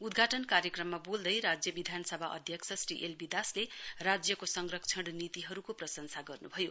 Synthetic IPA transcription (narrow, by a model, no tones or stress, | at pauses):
ud̪ɡʱaʈʌnkaɾjʌkrʌmːabold̪ʌjɾad͡zjʌbid̪ʱanʌsʌbʱaʔʌ̰d̪ʱjʌksʰʌsriʔelbid̪aslerad͡zjʌkosʌŋrʌkt͡sʰʌɽnit̪iɦʌɾukoprʌsʌnsaɡʌrnubʱʌjo